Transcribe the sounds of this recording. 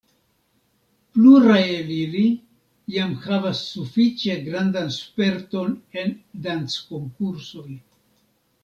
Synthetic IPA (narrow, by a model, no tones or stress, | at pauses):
pluɾajelili | jamhavasːufit͡ʃe̞ɡɾandanspe̞ɾto̞ne̞ndant͡sko̞ŋkuɾso̞j